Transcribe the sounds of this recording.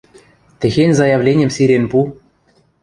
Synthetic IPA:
t̪ʲɘ̆xenʲzɑjɑvlʲenʲɘ̆msiɾʲenpu

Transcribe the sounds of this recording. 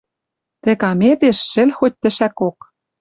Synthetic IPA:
t̪ĕkɑmet̪eʃːɘ̆lʲxot̚ʲt̪ɘ̆ʃækok̚

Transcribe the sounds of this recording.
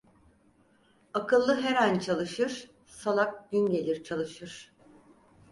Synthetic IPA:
akʰɯlˠːɯɦeɾænt͡ʃʰalˠɯʃɯɾ̥ | salˠak̚d̪ynɟe̞lʲiɾt͡ʃʰalˠɯʃɯɾ̥

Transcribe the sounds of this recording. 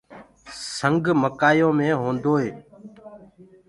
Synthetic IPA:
səŋɡməkaːjõːmẽːɦõːnd̪oːɦeː

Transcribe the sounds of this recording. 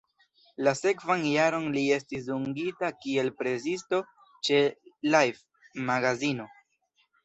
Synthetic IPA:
lase̞kvanjaɾo̞nlie̞stis̬uŋɡitakie̞lpɾe̞zisto̞ | t͡ʃe̞lajf | maɡazino̞

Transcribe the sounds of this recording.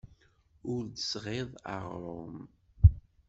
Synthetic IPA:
ʊɾd̪əsʁeðˤa̰ʁɾom

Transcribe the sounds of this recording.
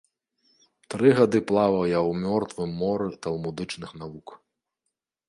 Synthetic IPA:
t̪ɾɨɣad̪ɨplˠavɐwjawmʲɔrt̪vɨmːɔɾɨt̪ɐlˠmud̪ɨt͡ʂnɨxnavuk

